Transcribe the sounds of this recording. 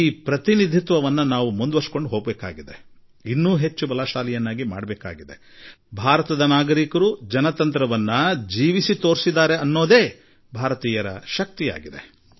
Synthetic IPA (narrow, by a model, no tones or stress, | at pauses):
iːpɾɐt̪inid̪ʱit̪ʋɐʋɐnːɐnaːʋumund̪ʋɐɾsko̞ɳɖuɦoːɡbeːka̰ːɡid̪e̞ | inːuːɦe̞t͡ʃːubɐlaːʃaːlijɐnːaːɡima̰ːɽɐbɛːka̰ːɡid̪e | bʱaːɾɐt̪ɐd̪ɐnaːɡɐɾikɐɾud͡ʒɐnɐt̪ɐnt̪ɾɐʋɐnːɐd͡ʒiːʋisit̪o̞ːɾsid̪aːɾe̞ɐnːo̞ːd̪e̞ː | bʱaːɾɐt̪iːjɐɾɐ̰ʃɐk̚t̪ija̰ːɡid̪e̞